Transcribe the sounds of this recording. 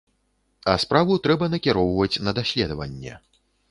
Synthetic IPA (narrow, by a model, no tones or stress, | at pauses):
ɐspɾavut̪ɾɛbɐnɐkʲiɾɔwvɐt͡sʲnɐd̪asʲlʲɛd̪ɐvɐ̰nʲːɛ̰